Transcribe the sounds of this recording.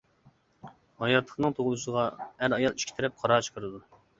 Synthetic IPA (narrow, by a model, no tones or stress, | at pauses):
hɑjɑt̪ʰlˠə̥χnɨŋt̪ʰoʁlˠusəʁɑæɾɑjɑlˠi̥ʃkʲʰt̪ʰɪɾɛp̚qʰɑɾɑːt͡ʃʰə̥qʰəɾɨd̪u